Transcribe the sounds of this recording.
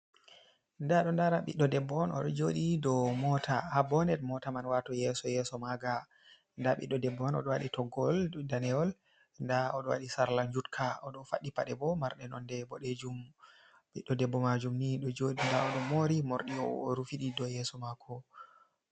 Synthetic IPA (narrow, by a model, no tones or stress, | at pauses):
ndaɗɔndaɾaɓḭɗːɔdɛbːɔːnɔ̰ɗɔd͡ʒoɗidɔmɔtahabɔnɛtmɔtamanwatɔjɛsɔjɛsɔmaɡa | ndaɓḭɗːɔdɛbːɔɔnɔ̰ɗɔwaɗitɔɡɔldanɛɔl | ndaɔɗɔwa̰ɗisaɾlaɲd͡ʒutkʰaɔɗɔfaɗːipaɗɛbɔmaɾɗɛnɔndɛbɔɗed͡ʒum | ɓiɗːɔdɛbːɔmad͡ʒumniɗɔd͡ʒoɗindaɔɗɔmoɾimɔɾɗiɔ̰ɾufiɗidɔjɛsɔmakʰɔ